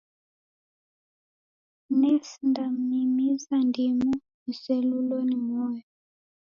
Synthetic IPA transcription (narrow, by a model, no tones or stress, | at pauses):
nɛsndam̩imizandimu | musɛlulɔnimɔjɔ